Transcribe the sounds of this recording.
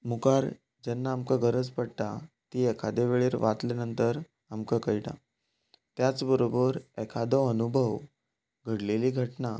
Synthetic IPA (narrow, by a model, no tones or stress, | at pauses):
mukaɾ | d͡ʑɛnːaːmkaɡʱəɾət͡spəɽt̪a | t̪iːɛkʰad̪eʋeɭeːɾʋat̪lenənt̪əɾ | amkakəjʈa̰ | t̪jat͡sbəɾobəɾɛkʰad̪ɔənubʱəʋ | ɡʱəɽleliːɡʱəʈna